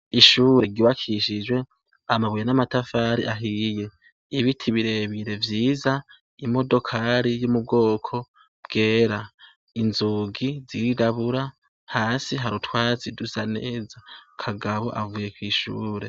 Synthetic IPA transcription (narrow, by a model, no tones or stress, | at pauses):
iʃuːɾe̞ɡiwakʰiʃid͡ʒwe̞ | amaβujenamatafaːɾiʔaɦije̞ | iβitʰiβiɾe̞βiɾe̞vjiːza | imo̞do̞kʰaɾijumub̚ɡo̞ːkʰo̞ | b̥ɡe̞ːɾa | inzuɡiziidaβuɾa | haːsiɦaɾutʰwaːziduzane̞ːzakʰaɡaβo̞̰ʔa̰vuje̞kwiːʃṵːɾe̞